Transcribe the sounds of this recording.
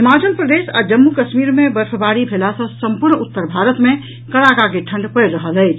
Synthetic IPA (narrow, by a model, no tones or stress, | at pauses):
ɦɪmaːd͡ʒənpɾəd̪eːsa̰d͡ʒəmːukəʃmiːɾmẽbəɾfʰəbaɽibʱelasɔ̃səmpʊɾɳʊt̪ːəɾbʱaːɾət̪mẽ | kəɽakakeʈʰə̃ɳɖpəjɾəɦəlɦɛɪt͡ʃʰ